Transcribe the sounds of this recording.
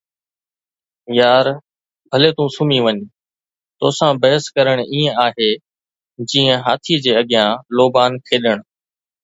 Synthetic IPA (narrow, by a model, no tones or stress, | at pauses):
jaːɾ | bʱəleːt̪ũsʊmĩːʋəɲ | t̪oːsãːbəɦəskəɾəɽ̃iːə̃aːɦeː | d͡ʑĩːə̃ɦaːt̪ʰiːd͡ʑeːəɠjãːloːbaːnkʰeːɗəɽ̃